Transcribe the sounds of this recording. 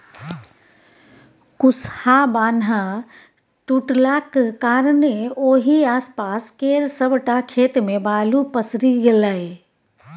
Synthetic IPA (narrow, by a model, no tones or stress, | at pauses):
kʊshabaːnɦa | ʈuʈlaːkkaːɾneoːɦiaːspaːskeːɾsəbʈakʰeːt̪mẽbaːlupəsɾiɡelae